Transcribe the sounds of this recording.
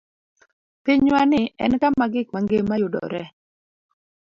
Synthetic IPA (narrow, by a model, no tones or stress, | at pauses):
piɲwanɪʔɛ̰nkamaɡɪk̚maŋɡemajʊdɔ̰ɾɛ